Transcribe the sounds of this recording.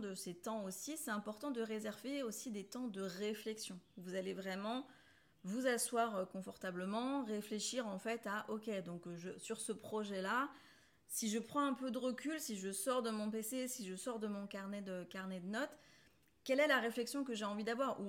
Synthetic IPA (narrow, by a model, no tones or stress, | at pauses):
d̪əset̪ɑ̃osisɛt̪ɛ̃pɔʁt̪ɑ̃d̪əʁezɛʁveosid̪et̪ɑ̃d̪əʁeflɛksjɔ̃uvuzalevʁɛmɑ̃ | vuzaswaʁəkɔ̃fɔʁt̪abləmɑ̃ʁefleʃiʁɑ̃fɛt̪aʔɔkʲɛd̪ɔ̃kʒəsyʁsəpχɔʒɛla | siʒəpχɑ̃ɛ̃pød̪əʁəkʲylsiʒəsɔʁd̪əmɔ̃pesesiʒəsɔʁd̪əmɔ̃kaʁnɛd̪əkaʁnɛd̪ənɔt̪ | kʲɛlɛlaʁeflɛksjɔ̃kəʒeɑ̃vid̪avwaʁu